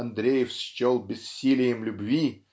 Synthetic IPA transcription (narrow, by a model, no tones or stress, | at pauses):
ɐnd̪ɾʲejɪfst͡ɕolˠbʲɪssʲilʲɪjɪmlʲʊbvʲi